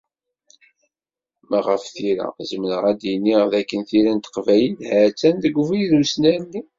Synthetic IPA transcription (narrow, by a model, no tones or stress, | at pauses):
mæʁəfθiɾæ̰zəmənəʁæd̪inːiʁðækːənθiɾænt̪ə̥qvæjəlhæt͡sːænðəɡʷuvijðusnæɾnːi